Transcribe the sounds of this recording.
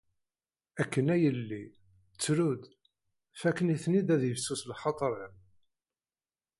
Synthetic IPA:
ækːənæjəlːi | t͡sːɾud̪ | fækːəniθnid̪æðjəfsuslħɑt̪ˤɾˤəm

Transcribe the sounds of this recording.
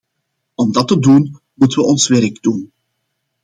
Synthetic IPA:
ɔmdɑtədun | mutənʋəɔnsʋɛɾɡdun

